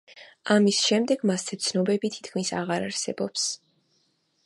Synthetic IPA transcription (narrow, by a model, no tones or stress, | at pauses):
amisʃɛmd̪ɛɡmasɛt̪sʰnɔbɛbit̪ʰi̥t̪ʰkʰmisa̰ʁaɾaɾsɛ̰bɔps